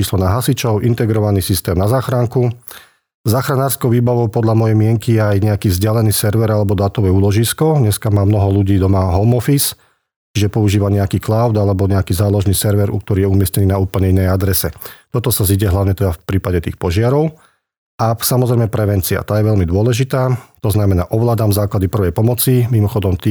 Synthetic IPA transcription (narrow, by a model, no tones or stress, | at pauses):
t͡ʃiːslɔnaɦasit͡ʃɔʊʔint̪ɛɡɾɔʋaniːsist̪ɛːmnazaːxɾaŋku | zaːxɾanaːɾskɔʊʋiːbaʋɔʊpɔd̪ʎamɔjɛmɪɛŋkijɛajɲɛakiːvzɟɪalɛniːsɛɾʋɛɾalɛbɔd̪aːt̪ɔʋɛːuːlɔʒiskɔɲɛskamaːmnɔɦɔluɟiːd̪ɔmaɦɔʊmɔfis | t͡ʃiʒɛpɔuʒiːʋaɲɛakiːklaʊd̪alɛbɔɲɛakiːzaːlɔʒniːsɛɾʋɛɾṵk̚t̪ɔɾiːjɛumɪɛscɛniːnauːpl̩ɲɛinːɛjad̪ɾɛsɛt̪ɔt̪ɔsaziɟɛɦlaʊɲɛt̪ɛd̪afpɾiːpaɟɛt̪iːxpɔʒɪaɾɔʊ | ʔasamɔzɾɛɪmɛpɾɛʋɛnt͡sia̰t̪aːjɛʋɛʎmid̪ʊɔlɛʒit̪aːt̪ɔznamɛnaːʔɔʋlaːd̪aːmzaːklad̪ipr̩ʋɛjpɔmɔt͡simimɔxɔd̪ɔmt̪i